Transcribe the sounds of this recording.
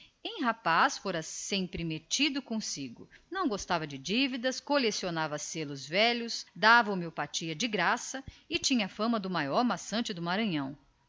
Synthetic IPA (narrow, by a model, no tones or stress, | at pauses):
ẽj̃ɦapasfoɾɐsẽmpɾɪmet͡ʃid̪ʊkõsiɡʊ̰nɐ̃w̃ɡost̪avɐd͡ʒɪd͡ʒivid̪ɐskolesionavɐselʊzvɛʎʊsd̪avɐʊmewpat͡ʃiɐd͡ʒɪɡɾasɐɪt͡ʃĩɲɐfɐ̃mɐd̪ʊmajɔɾmasɐ̃nt͡ʃɪd̪ʊmaɾɐ̃ɲɐ̃w̃